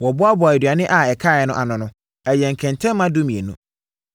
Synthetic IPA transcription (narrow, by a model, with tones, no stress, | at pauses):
wɔ˨bʊ˦a˦bɔ˨æ˨dɥa˨nɪ̃˦ʔa˨ɛ˨kʰa˦˨ɛ˨nʊ̃˦ʔa˨nʊ̃˨nʊ̃˦ | ɛ˨jɛ̃˨ŋ̩˨kʰɛ̃˨ntʰɛ̃ː˦ã˦du˦mĩ˨e˨nṵ̃˦